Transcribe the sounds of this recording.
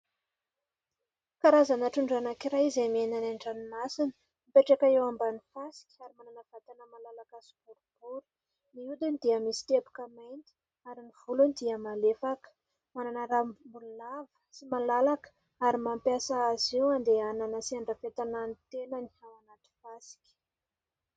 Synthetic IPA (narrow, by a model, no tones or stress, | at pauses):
kaɾazanaʈ͡ʂuɳɖ͡ʐanakiɾajizemienanaɳɖ͡ʐanimasinə | mipeʈ͡ʂekaewambanifasi̥kʲaɾimananəv̥at̪anəmalalaɡasi̥b̥uɾub̥uɾu̥ | niud̪inid̪iəmisi̥t̪ebu̥kəmajnt̪i̥ | aɾiniv̥ulunid̪iəmalefakə̥ | mananəɾambulunavə̥simalalakə̥ | aɾimampjasaaziwand̪eananəsiaɳɖ͡ʐafet̪anant̪enənihawanat̪i̥fasi̥kʲi̥